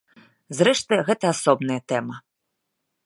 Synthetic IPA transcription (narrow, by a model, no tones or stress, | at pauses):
zɾɛʂt̪ɨɣɛt̪ɐasɔbnɐjɐt̪ɛmɐ